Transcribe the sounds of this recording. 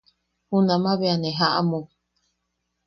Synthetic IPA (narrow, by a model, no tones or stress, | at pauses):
hunãmãβeaneɦaʔa̰mu